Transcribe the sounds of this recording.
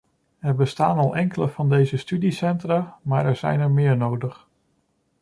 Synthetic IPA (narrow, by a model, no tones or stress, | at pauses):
ɛɹbəstaːnɑlˠʔɛŋkələvɑndejzəstydisɛntraːmaːɹɛɹz̥ɛ̰jnɛɹmɪːɹnowdəχ